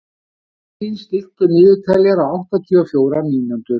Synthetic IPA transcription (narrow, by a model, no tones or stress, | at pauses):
inst̪ɪl̥t̪ʏnɪːðʏt̪ʰaːlɛɾaawht̪at̪ʰyɔfjoːwɾaniːnant̪ʏɾ̥